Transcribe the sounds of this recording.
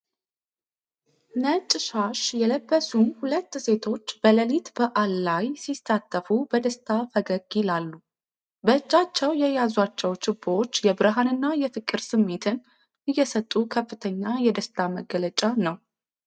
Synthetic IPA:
nət͡ʃʼʃaʃjɛləbːəsunhulət̪ːse̞t̪ʰo̞t͡ʃːb̥ələlit̪bəʔalːajsisat̪ʰʼːəfubəd̪əst̪ʰʼafəɡəɡjɪlalːu | bəɨd͡ʒːat͡ʃːɛwjɛjazwat͡ʃːɛwt͡ʃɪbːo̞t͡ʃːjɛbɨɾɦanɨnːajɛfɨkʼːɨɾsɨmːe̞t̪ʰɨn | ʔɨjːɛsət̪ʼukʰəfːɨt̪ʰəɲːajɛd̪əst̪ʰʼaməɡːələt͡ʃʼanəw

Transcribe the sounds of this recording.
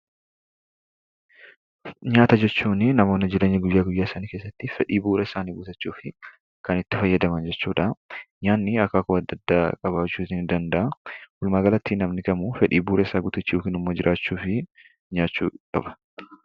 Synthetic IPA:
ɲaːt̪ɐd͡ʒɛt͡ʃːuːnɪnɐmo̞ːnːɪd͡ʒɪleːɲːɐɡʊjːaːɡʊjːaːɪsanike̞ːsːɐt̪ːɪfɛᶑiːbuːɾɐɪsaːniːɡʊt̪ɐt͡ʃːuːfɪ | kɐnɪt̪ːɪfɐjːɐd̪ɐmɐnd͡ʒɛt͡ʃːuːᶑaɲaːnːɪɐkːakʊɐd̪ːɐd̪ːaːkʼɐβaːt͡ʃːuːt̪ɪnd̪ɐnd̪ɐʔɐhʊlmaːɡɐlɐt̪ːiːnɐmnɪkʼɐmufɛᶑiːbuːɾʔɐɪsaːɡʊt̪ɪt͡ʃːuːkɪnʊmːoːd͡ʒɪɾʔaːt͡ʃːuːfɪ | ɲaːt͡ʃːṵːkʼɐbɐ̥

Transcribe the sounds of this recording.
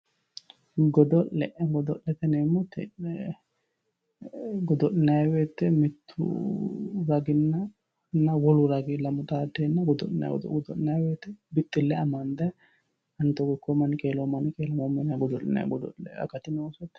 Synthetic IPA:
ɡɔd̪ɔʔlɛʔɛɡɔd̪ɔʔlɛt̪ɐneːmːɔt̪ɛ̰ | ɡɔd̪ɔnɪnɐjweːt̪ːɛmɪt̪ʰːʊ̰ | ɾɐɡɪnːɐ | nːɐwɔlʊɾɐɡɪlɐmʊt̪ʼaːd̪eːnːɐɡɔd̪ɔ̰ʔɪnɐ̰ɡd̪ɔ̰ɡɔd̪ɔʔɪnɐjweːt̪ːɛbɪt̪ʼːɪlːɛɐmɐnd̪ɐ | ɐnt̪ɔɡɔkːɔmɐnɪkʼeːlɔmɐnɪkʼeːlɐmomɛnɐɡɔd̪ɔʔɪnɐ̰j̰ɡɔd̪ɔ̰ɛ̰ɐ̰kɐt̪ɪnoːsɔt̪ː

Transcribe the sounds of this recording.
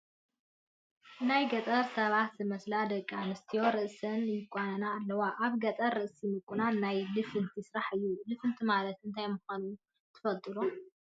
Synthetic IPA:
ʔɨnajɡɐt̪ʼɐɾsɐβat̪zɨmɐslad̪ɐkʼːanɨst̪ʰijo̞ɾɨʔsɐnjɪkʼanɐnaːlːɐwaʔaβɡɐt̪ʼɐɾɨʔsimɨkʼːunanajlɨfɨnt̪ʰisɾaħɨjːulɨfɨnt̪ʰimalɐt̪ɨnt̪ʰajmuxanu | t̪ʰɨ̥fɐt̪ʼːɨlo

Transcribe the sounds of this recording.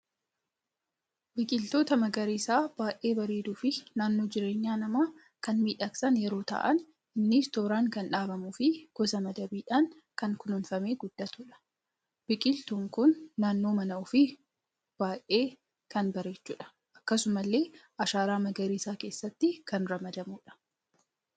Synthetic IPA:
bɪkʼɪlt̪o̞ːt̪ɐmɐɡɐɾisaːb̥aːʔe̞ːbɐɾeːd̪uːfɪnaːnːo̞ːd͡ʒɪɾe̞ːɲːaːnɐmaː | kɐnmiːᶑɐksɐnjɛɾo̞ːt̪a̰ːʔɐn | ʔɪnːɪst̪o̞ːɾaːŋkɐnᶑaːbɐmufɪɡ̥ɔsɐmɐd̪ɐbiːᶑaːn | kɐŋkʊnʊnfɐme̞ːɡʊd̪̥ːɐt̪uːᶑɐ̥ | b̥ɪkʼɪlt̪uːŋkʊnːaːnːo̞ːmɐnɐʊfɪ | b̥aːʔʔeː | kɐnbɐɾeːt͡ʃːṵːᶑɐ̥ | ʔɐkːɐsʊmɐlːe̞ːʔɐʃaːɾaːmɐɡɐɾiːsaːke̞ːsːɐt̪ːɪkɐnɾɐmɐd̪ɐmuːᶑɐ̥

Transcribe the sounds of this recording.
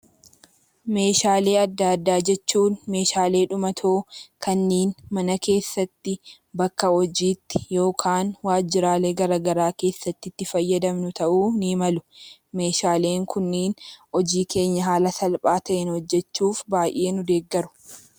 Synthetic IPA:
me̞ːʃaːle̞ːɐd̪ːaːd̪ːaːd͡ʒɛt͡ʃːuːnme̞ːʃaːle̞ːᶑʊmɐt̪ʰoːkʰɐnːeːnmɐnɐke̞ːsːɐt̪ːɪ | bɐkːɐhɔd͡ʒiːt̪ːɪ̥jo̞ːkʰaːnwaːd͡ʒɪɾaːleːɡɐɾaɡɐɾaːke̞ːsːɐt̪ːɪt̪ːɪfɐjːɐd̪ɐmnʊt̪ɐʔuːnɪmɐlʊme̞ːʃaːle̞ːŋkʊnːeːnɔd͡ʒiːkʰe̞ːɲːɐɦaːlɐsɐlpʼaːt̪ɐʔɛnhɔd͡ʒːɛt͡ʃːuːfbaːjʔe̞ːnʊd̪e̞ːɡːɐɾʊ̥

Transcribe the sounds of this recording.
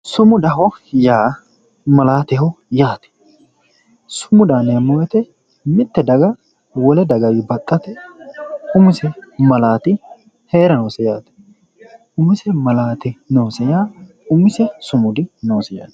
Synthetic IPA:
sʊmʊd̪ɐɦɔjaː | mɐlaːt̪ɛhɔjaːt̪ɛ̥ | sʊmʊd̪aːnɛɐmːoːjɛt̪ɛ | mɪt̪ːɛd̪ɐɡɐ | wɔlɛd̪ɐɡɐwibɐt̪ʼːɐt̪ɛ | ʊmʊsɛmɐlaːt̪ɪ | he̞ːɾɐnoːsɛjaːt̪ɛ̥ | ʔʊmɪsɛmɐlaːt̪ɪnoːsɛjaː | ʊmːɪsɛsʊmʊd̪ɪnoːsɛja̰ːt̪

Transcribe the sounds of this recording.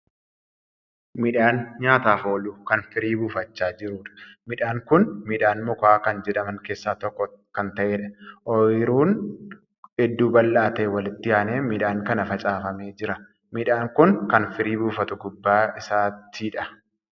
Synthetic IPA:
mɪᶑaːnɲaːt̪aːfoːluːkɐnfɪɾiːbuːfɐt͡ʃːaːd͡ʒɪɾuːᶑɐ̥mɪᶑaːŋkʊnmɪᶑaːnmʊkaːkɐnd͡ʒɛᶑ̪ɐmɐŋke̞ːsːaːt̪ɔkːɔkɐnt̪ɐʔeːᶑɐ̥ʔɔɪɾuːn | ɛd̪ːuːbɐlːaːt̪eːwɐlɪt̪ːɪjaːneːmɪᶑaːŋkɐnɐfɐt͡ʃʼaːfɐme̞ːd͡ʒɪɾɐ | mɪᶑaːŋkʊnkɐnfɪɾiːbuːfɐt̪ʊɡʊbːaːɪsaːt̪ʰiːᶑɐ̥

